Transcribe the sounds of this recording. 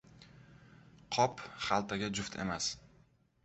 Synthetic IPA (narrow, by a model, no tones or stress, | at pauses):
qʰɒpχalˠt̪ʰaɡʲad͡ʒʊft̪ʰḛmas